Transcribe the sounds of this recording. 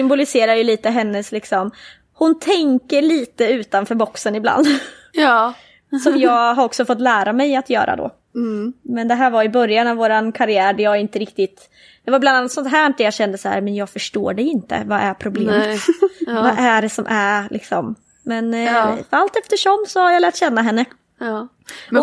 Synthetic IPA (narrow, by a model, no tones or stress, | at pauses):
sʏmbʊlɪseːɾajɵliːt̪əɦɛnːəslɪksɔm | hʊnt̪ʰɛŋkəɾɭiːt̪əʉ̟ːt̪anfœːɾbɔksənɪbla̰nd̪ | sɔmjɑːɡɦaɾɔksɔfɔt̪ːlæːɾamɛjat̪jœ̰ːɾa̰d̪o̰ː | mɛnd̪ɛɦæːɾvaɾɪbœɾjanavoːɾankʰaɾɪæːɾɖɛjɑːɾɪnt̪əɾɪkt̪ɪt̪ | d̪̥ɛvaɾblananːat̪sɔnt̪ɦæːɳ̚d̪ɛɾjɑɕɛnd̪əsahæ̰ɾmɛnjɑːɡfœʂʈo̰ːɖɛɪnt̪ə̰vaʔæɾpʰɾʊbleːmvaʔæɖɛsɔmʔæɾlʔɪ̰ksɔm | mɛnfalt̪ɛft̪əʂɔmsɔhaɾjɑlæːʈɕɛnːaɦɛnːə | ɔ